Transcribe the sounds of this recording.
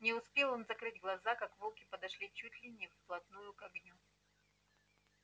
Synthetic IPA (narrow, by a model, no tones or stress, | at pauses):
nʲɪʊspʲelˠo̞nzɐkɾɨdʲɡlˠɐzakakvolˠkʲɪpəd̪ɐʂlʲit͡ɕutʲlʲɪnʲɪfplˠɐt̪nujʊkɐɡnʲu